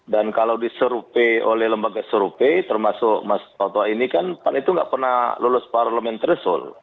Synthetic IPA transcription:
dankalawdisəɾupeolɛhləmbaɡasəɾupet̪ərmasʊkmasp̪ot̪ɔainikanpanit̪uŋɡaʔpərnahlulʊsparləmɛnt̪əɾisʊ̰l

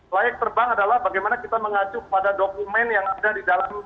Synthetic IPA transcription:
laɛk̚t̪ərbaŋadalahbaɡajmanakit̪aməŋat͡ʃukə̥padadokumɛnjaŋadadidalam

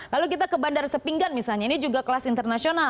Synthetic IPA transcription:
laluk̬it̪akəbandarsəpiŋɡanmisalɲainid͡ʒuɡakəlasint̪ərnasiona

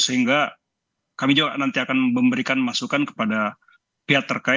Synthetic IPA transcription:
səɦiŋɡa | kamid͡ʒuɡaʔnant̪iakanməmbəɾikanmasukankə̥pada | piat̪ːərka

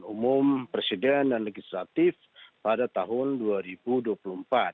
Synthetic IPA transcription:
numʊmpɾesidɛndanlɛɡislat̪ɪf | padat̪aɦʊnduaɾibuduapulumpat̪̚

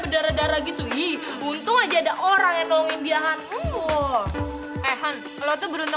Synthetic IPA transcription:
bədaɾadaɾaɡit̪uɪh | unt̪ʊŋad͡ʒaːdaʔoɾaŋjaŋnɔɔŋɪnbiaɦanu | ɛɦan | kaloit̪ubəɾunt̪

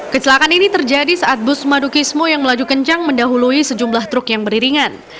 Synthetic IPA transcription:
kət͡ʃəlakaninit̪ərd͡ʒadisaʔat̪̚bʊsmadukismojaŋməlad͡ʒukəɲt͡ʃaŋməndaɦuluisəd͡ʒumblaht̪ɾʊkjaŋbəɾiɾiŋan

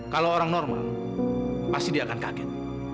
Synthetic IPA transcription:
kalooɾaŋnɔrma̰l | past̪idiaːkankaɡɛt̪̚

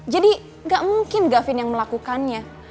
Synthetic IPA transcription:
d͡ʒadi | ŋɡaʔmuŋkɪnɡafɪnjaŋməlakukanɲa

